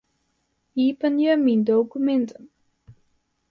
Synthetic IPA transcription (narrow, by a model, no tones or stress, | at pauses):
iːpənjəmindowkymɛntəm